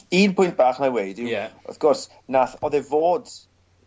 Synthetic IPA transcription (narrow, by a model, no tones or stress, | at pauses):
iːnpʰʊjnt̚b̥aːχnawejdɪɛɔ̰θɡ̥ɔrs | naθɔðɛvoːd̥